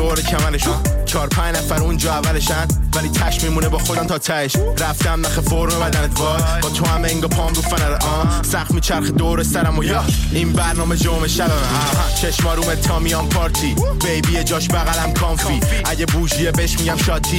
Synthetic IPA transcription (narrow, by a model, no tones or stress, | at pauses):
oɾecʰæmæneʃut͡ʃʰɒːɾpʰæ̃ɲd͡ʒnæfæɾũnd͡ʒɒːævæleʃænvæliːt̪ʰæʃmimuːnebɒːxod̪æmt̪ʰɒːt̪ʰæeʃɾæft̪æmd̪æxefoɾmemæd̪ænet̪vɒːzbɒːt̪ʰoæmeiŋɡopʰɒːmɡofænæzʔɒː | sæχmiːt͡ʃʰæɾxed̪oɾesæɾæmojɔ | inbæɾnɒːmed͡ʒoomeʃnæb̪æmæm | t͡ʃʰeʃmɒːɾuːmet̪ʰːɒːmijɒːmpʰɒːɾt̪ʰiː | b̥ejbiːjed͡ʒɒːʃbæɣælæmkʰɒːmfiː | ʔæɟebuːʒijebeʃmiɟæmʃɒːt̪ʰiː